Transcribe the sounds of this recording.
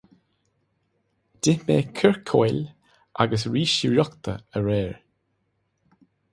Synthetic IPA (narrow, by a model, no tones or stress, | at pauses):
d̥ɪmeːkʰəɹkʰojl | ʔa̰ɡəsɹiːʃiɹɔkt̪ʰə̰əɹɛːɹ